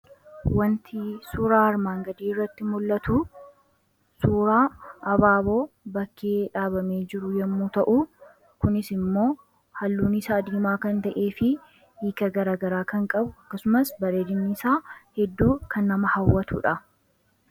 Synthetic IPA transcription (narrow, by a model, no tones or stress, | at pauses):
wɐnt̪isuːɾaːhɐɾmaːŋɡɐd̪iːɪrːɐt̪ːɪmʊlːɐt̪u | suːɾaːɐbaːbo̞ːbɐkːeːᶑaːbɐme̞ːd͡ʒɪɾʊjɐmːuːt̪ɐʔu | kʊnɪsɪmːo̞ː | hɐlːuːnɪsaːd̪iːmaːkɐnt̪ɐʔe̞ːfɪ | iːkɐɡɐɾaːɡɐɾaːkɐŋkʼɐbʊɐkːɐsʊmɐsbɐɾeːd̪ɪnːisaːhɛd̪ːuːkɐnːɐmɐhɐwːɐt̪ṵːᶑɐ